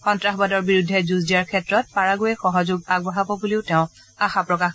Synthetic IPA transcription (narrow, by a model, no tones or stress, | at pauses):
xɔntɹaxbadɔɹbiɹudʱːɛzuzdijaɹkʰɛtɹɔt̚paɹaɡojɛxɔɦɔzʊɡaɡ̚bɔɦabɔbuliʊtɛʊ̃ | axapɹɔkax